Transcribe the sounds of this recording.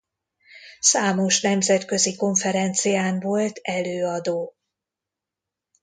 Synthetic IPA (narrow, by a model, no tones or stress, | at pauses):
saːmo̞ʃnɛmzɛt̪kø̞ziko̞ɱfɛɾɛnt̪sijaːɱvo̞lt̪ɛløːɒd̪oː